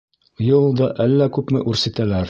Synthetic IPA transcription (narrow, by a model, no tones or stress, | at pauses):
jɤlˠd̪ɑʔælːækʉpmɘʔʉɾsɘ̆t̪ælæɾ